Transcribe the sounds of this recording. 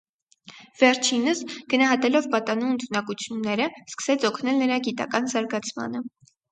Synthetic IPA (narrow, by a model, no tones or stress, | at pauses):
v̥ɛɾt͡ʃʰinəsɡ̥ənɑɦɑt̪ɛlɔvpɑt̪ɑnuənt̪ʰunɑkut͡sʰjunːɛɾəskə̥sɛt͡sʰɔkʰnɛlnəɾɑɡit̪ɑ̰kɑnzɑɾɡɑt͡sʰmɑ̰nə